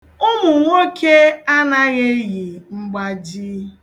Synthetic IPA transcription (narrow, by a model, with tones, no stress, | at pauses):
ʊ˦mʊ˨ŋʷo˦kʰe˦a˦na˦ɣe˦ɣi˨ŋ͡m̩˦ɡ͡ba˦d͡ʒi˦